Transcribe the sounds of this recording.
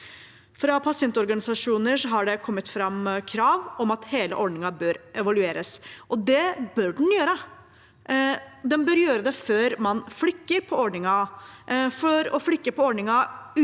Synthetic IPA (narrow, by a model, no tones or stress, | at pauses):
fɾɑpʰɑsɪɛnt̪ɔɾɡɑnɪsɑʂuːnəʂɔɦɑɖɛkʰɔmːət̪fɾɑmːkʰɾɑːʋɔmɑt̪heːlə̰ʔɔɖnɪŋɑbøːɾʔɛʋɑlʉeːɾəsʔɔd̪ɛbøːɖɛn̩jøːɾə | d̪ɛnbœɾjøːɾəd̪ɛføːɾmɑnflʏkːəɾpʰɔɔɖɳɪŋɑ | fɔɾɔflʏkːəpɔɔɖɳɪŋɑ